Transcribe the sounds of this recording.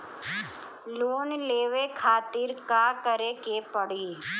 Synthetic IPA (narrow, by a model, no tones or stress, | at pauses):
loːnleːʋekʰaːt̪ɪɾkaːkəɾekepəɽiː